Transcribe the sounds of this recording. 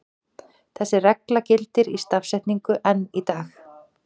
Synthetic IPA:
θɛsːɪrɛklacɪlt̪ɪɾist̪afsɛjht̪niŋkʏʔɛnːit̪aːx

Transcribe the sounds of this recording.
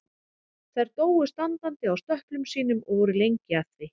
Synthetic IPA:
θajɾt̪oːwʏst̪ant̪ant̪ɪawst̪œhplʏmsiːnʏmɔɣvɔɾʏlejɲcɪaθɪ

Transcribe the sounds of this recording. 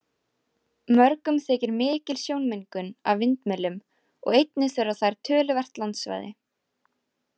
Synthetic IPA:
mœɾkʏmθɛːcɪɾmɪːcɪlsjoːwnmejŋkʏna̰vvɪnt̪mɛlːʏm | ɔ̰ɣejt̪nɪsɛɾaθajɾ̥t̪ʰœːlʏvɛr̥t̪lant̪sva̰ːjðɪ

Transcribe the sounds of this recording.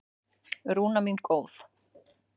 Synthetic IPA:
ɾuːnaminkʰoːwθ

